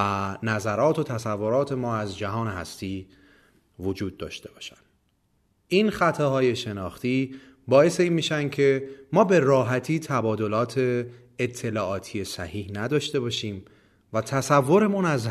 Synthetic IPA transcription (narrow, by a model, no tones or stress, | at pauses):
ænæzæɾɒːt̪ʰot̪ʰæsævːoɾɒːt̪ʰe̞mɒːæzd͡ʒæɦɒːnehæ̰st̪iː | vod͡ʒuːd̪̚ːɒ̰ːʃt̪e̞bɒːʃænd̪̥ | ʔinxæt̪ʰɒhɒːje̞ʃe̞nɒːxt̪iː | bɒːje̞seiːnmiːʃænd̥̪cʰe̞mɒːbe̞ɾɒːɦæt̪ʰiːt̪ʰæbɒːd̪o̞lɒːt̪ʰe̞ː | t̪ʰːe̞lɒːɒːt̪ʰije̞sæ̰hiːhnæd̪ɒːʃt̪e̞bɒːʃiːm | væt̪ʰæsævːo̞ɾe̞munæz